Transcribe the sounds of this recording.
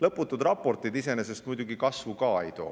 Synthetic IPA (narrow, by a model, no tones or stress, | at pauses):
lɤpːˑut̪ːˑud̪rɑpːo̞rt̪ˑid̪ise̞nese̞st̪mujd̪uɡikɑsvukɑːe̞̰jt̪o̞̰ː